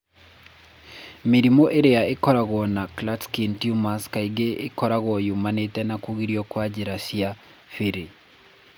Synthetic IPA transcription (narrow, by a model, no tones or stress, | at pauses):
miɾimoʔeɾeaekɔɾaɣwɔnaklatskintjumaskaiɡeːkɔɾaɣwɔjumanetɛnakuɣiɾiɔkwad͡ʒeɾasia | fiɾe